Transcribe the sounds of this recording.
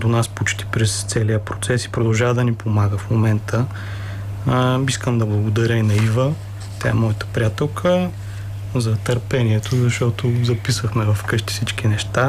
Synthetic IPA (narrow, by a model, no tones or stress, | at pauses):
d̪onaspot͡ʃt̪i̥pɾɛst̪sɛliəpɾot̪sɛsi̥pɾod̪ɐlˠʒavəd̪ɐnipomaɡəfmomɛnt̪ʰə | iskəmd̪ɐblˠɐɡʊd̪ɐɾʲəinɐivə | t̪ʲa̰ɛmɔjət̪ə̥pɾʲijat̪ɛlˠkʰə | zɐt̪ɐɾpɛniɛt̪ʰozɐʃt̪ɔt̪ozɐpisəxmɛvɐfkɤʃt̪i̥fsit͡ʃk̟inɛʃt̪a